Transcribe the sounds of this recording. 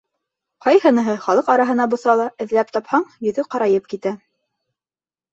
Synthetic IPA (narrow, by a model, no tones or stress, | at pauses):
qɑjhɤ̆nɤ̆ɦɤχɑlˠɤqɑɾɑɦɤ̆nɑbŏθɑlˠɑɘ̆ðlæpt̪ɑphɑɴjɵ̆ðɵqɑɾɑjɤp̚kit̪æ